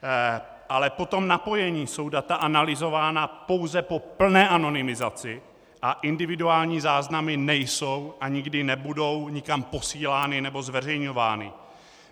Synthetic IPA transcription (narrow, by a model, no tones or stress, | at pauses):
ʔalɛpo̞t̪o̞mnapo̞jɛɲiːso̞wdat̪aʔanalɪzo̞vaːnapo̞wzɛpo̞pl̩nɛːʔano̞nɪmɪzat͡sɪ | ʔaʔɪndɪvɪduaːlɲiːzaːznamɪnɛjso̞wʔaɲɪɡdɪnɛbudo̞wɲɪkampo̞siːlaːnɪnɛbo̞zvɛr̝ɛjɲo̞vaːnɪ̰